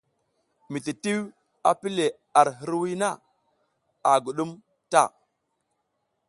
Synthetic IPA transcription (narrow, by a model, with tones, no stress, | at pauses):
mi˨ti˨ti˦w | a˨pi˦le˨ | a˨ɾɦə˦ɾwi˦na˦˨ | a˨ɡu˨ɗu˦m | ta̰˦˨